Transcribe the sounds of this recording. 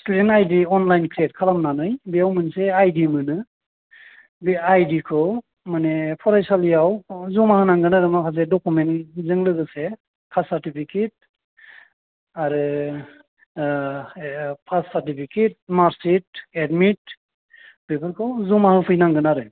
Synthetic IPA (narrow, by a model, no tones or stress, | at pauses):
studentajdiɔnlajnkʰɾiet̚kʰalamnanɯjbiawmɯnseajdimɯnɯ | biajdikʰɯw | manepʰɔɾajsalijawzumahɯnaŋɡɯnaɾɯmakʰazedɔkumenzɯŋlɯɡɯse | kʰasaɾtipʰiket̚ | aɾɯ | pʰasːaɾtipʰiket̚maɾsit̚edmit̚ | b̥epʰɯɾkʰɯwzumahɯpʰɯjnaŋɡɯnaɾɯ